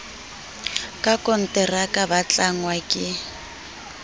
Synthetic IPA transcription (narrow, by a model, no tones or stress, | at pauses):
kʼakʼɔn̩tɛrakʼabat͡ɬʼaŋwakʼɪ